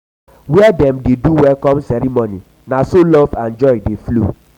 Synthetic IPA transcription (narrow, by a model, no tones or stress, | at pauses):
wɛadɛmdeduwɛlkɔ̃msɛɾimonĩ | nãsolɔvãnd͡ʒɔjdeflṵ